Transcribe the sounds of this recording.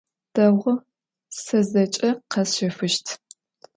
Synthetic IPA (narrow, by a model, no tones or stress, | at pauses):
d̥ɐwʁə | sɐzɐt͡ʃʼɐqɐsʃɐfɨʃtʰ